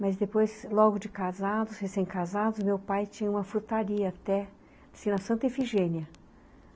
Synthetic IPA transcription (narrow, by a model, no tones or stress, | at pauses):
mɐzd̪epojzlɔɡʊd͡ʒɪkazad̪ʊshesẽj̃kazad̪ʊzmewpajt͡ʃĩɲɐũmɐfuɾt̪aɾiɐːt̪ɛ | sĩnɐsɐ̃nt̪efiʒẽniɐ